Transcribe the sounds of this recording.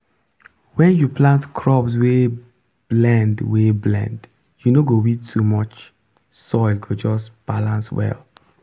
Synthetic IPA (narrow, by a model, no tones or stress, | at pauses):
wɛ̃njuplãntkʰɹɔps̬we | b̥lɛ̃ndweblɛ̰̃nd | junoɡowitʰːumɔt͡ʃ | sɔɪlɡod͡ʒɔsb̥alãnswɛ̰l